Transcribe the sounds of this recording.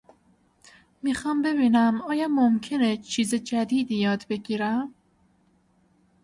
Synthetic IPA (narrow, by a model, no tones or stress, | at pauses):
miːxɒːmbe̞biːnæmɒːjɒːmomcʰe̞net͡ʃʰiːzed͡ʒæd̪iːd̪ijɒːd̪be̞ɟiːɾæm